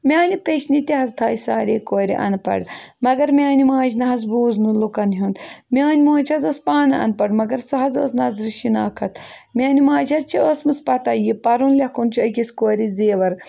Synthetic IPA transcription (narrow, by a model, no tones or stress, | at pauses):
mʲaːnipeʃnit̪ʲiɦɐzt̪ʰaːjsaːɾeːkoːɾḭʔɐ̰npɐ̰ɽmɐɡɐɾmʲaːnimaːd͡ʒʲnɐɦɐzbuːznulukɐnɦʲund̪miaːnʲimoːt͡ʃʰɐzospaːnɐɐ̰npɐɽmɐɡɐɾsɐɦɐzo̰ːsnɐzɾʃinaːkʰɐt̪mʲaːnimaːd͡ʒʲɐzt͡ʃʰiosmɨspɐt̪ɐjipɐɾunlʲɐkʰunt͡ʃʰiɐkʲiskoːɾizeːʋɐɾ